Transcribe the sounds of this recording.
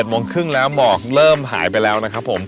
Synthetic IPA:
t̪̚moː˧ŋkʰɯ˥˩ŋlɛː˦˥wmɔː˨˩k̚ɾɤː˥˩mɦa̰ː˩˦jpa˧jlɛː˦˥wna˦˥kʰa˦˥pʰːo˩˦m

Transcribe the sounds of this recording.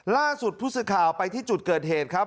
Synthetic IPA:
laː˥˩su˨˩t̪̚ʰuː˥˩sɯ˧˩kʰːaː˨˩wpa˧jt̪ʰiː˥˩t͡ɕu˨˩t̪̚kɤː˨˩t̪̚heː˨˩t̪̚kʰɾa˦˥p̚

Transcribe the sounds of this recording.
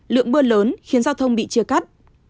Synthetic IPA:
lɨ̰˧˨əŋɓɨ˧ələː˨˦nxi˨˦nzaː˧wt̪ʰə˧wŋ͡mɓḭ˧˨t͡ɕɨ˧əka˦˥t̚

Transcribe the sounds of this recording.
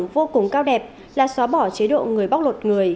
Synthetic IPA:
ŋvo˧kʊ˨˩ŋ͡mkaː˧wɗɛ˨˩p̚ | laː˨˩sɔ˨˦ɓɔ˧˩t͡ɕe˨˦ɗo̰˧˨ŋɨ˨˩əjɓa˦˥wk͡p̚lwə˨˩t̚ŋɨ˨˩əj

